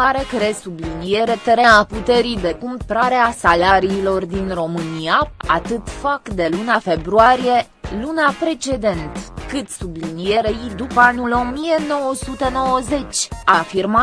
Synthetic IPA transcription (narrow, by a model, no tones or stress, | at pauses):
aɾe̞kɾesublinije̞ɾe̞t̪eɾeaput̪e̞ɾid̪e̞kumpɾaɾeasalaɾiːlo̞rd̪inro̞mɨniaat̪ɨt̪fakd̪e̞lunafe̞bɾuaɾije̞ | lunapɾe̞t͡ʃe̞d̪e̞nt̪kɨt̪sublinije̞ɾejid̪upəanulo̞mije̞no̞wəsut̪e̞no̞wəze̞t͡ʃʲafirma